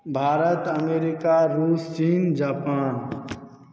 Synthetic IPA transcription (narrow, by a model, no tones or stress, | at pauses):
bʱaːɾət̪əmeːɾɪkaɾuːst͡ʃiːnd͡ʒaːpaːn